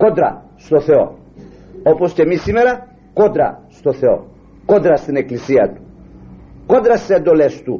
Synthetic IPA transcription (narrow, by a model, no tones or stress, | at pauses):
ko̞d̪ɾɐ̰ | st̪o̞θe̞o̞̰ | opo̞sce̞misime̞ɾɐ | ko̞d̪ɾɐ̰st̪o̞θe̞o̞̰ | ko̞d̪ɾɐst̪ine̞klisiɐt̪u̥ | ko̞d̪ɾɐst̪isend̪o̞le̞st̪u